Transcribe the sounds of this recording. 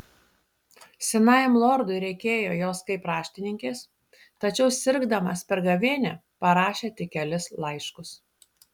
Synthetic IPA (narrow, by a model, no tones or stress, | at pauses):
sʲɪnɑɪjmlˠɔːɾd̪ʊɪɾʲɛɪkʲeːjoːjoːskɐɪpɾɑːʃʲt̪ʲɪnʲɪŋʲkʲeːs | t̪ɐt͡ʃʲɛʊsʲɪɾɡd̪ɐmɐspʲɛɾɡɐʋʲeːnʲɛ | pɐɾɑːʃʲeːt̪ʲɪkʲɛlʲɪslˠɐɪʃkʊs